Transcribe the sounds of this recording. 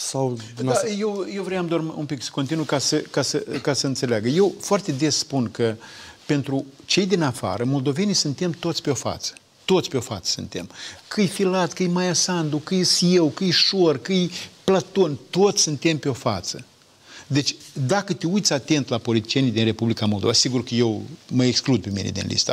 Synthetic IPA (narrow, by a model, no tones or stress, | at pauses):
sawajewjewvɾejamd̪oarmumpiksə̥ko̞nt̪inujkasəkasəkasəɨnt̪se̞leaɡəje̞wfoart̪e̞d̪e̞sspunkəpe̞nt̪ɾut͡ʃe̞jd̪inafa̰ɾəmo̞ld̪o̞ve̞nijsɨnt̪e̞mt̪o̞t̪sʲpeo̞fa̰t̪sə̥ | t̪o̞t̪sʲpeo̞fa̰t̪sə̥sɨ̰nt̪e̞̰mkʰɨjfilat̪kɨjmajasand̪ukɨjsjewkɨjʃorkɨjplat̪o̞nʲt̪o̞t̪sʲsɨnt̪e̞mpeo̞fa̰t̪sə | d̪e̞t͡ʃʲd̪akət̪eujt̪sʲat̪e̞nt̪lapo̞lit̪i̥t͡ʃijenijd̪inre̞publikamo̞lˠd̪ovasiɡurkəje̞wməeksklud̪̚pe̞mḭnḛd̪ḭnlḭst̪a̰